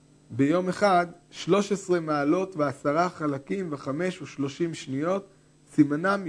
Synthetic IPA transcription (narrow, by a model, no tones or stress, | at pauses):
bejo̞meχad̪ | ʃlo̞ʃesʁe̞maːlo̞tveasaʁaχalakimveχame̞ʃuʃlo̞ʃimʃnijo̞t̪ | simanam